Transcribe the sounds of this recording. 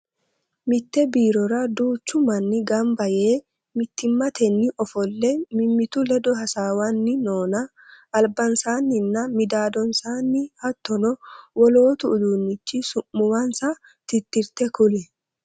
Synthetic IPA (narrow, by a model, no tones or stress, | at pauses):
mɪt̪ːɛbiːɾɔɾɐd̪uːt͡ʃːʊmɐnːɪɡɐmbɐjeː | mɪt̪ːɪmːɐt̪ʰɛnːɪʔɔfɔlːɛmɪmːɪt̪ʊlɛd̪ɔɦɐsaːwɐnːɪno̞ːnɐ | ʔːlbɐnsaːnːɪnːɐmɪd̪aːd̪ɔnsaːnːɪhɐt̪ːɔnɔwɔlo̞ːt̪ʊːd̪uːnːɪt͡ʃːɪsʊmːʊwɐnsɐ | t̪ɪt̪ːɪɾt̪ɛkʊlɛ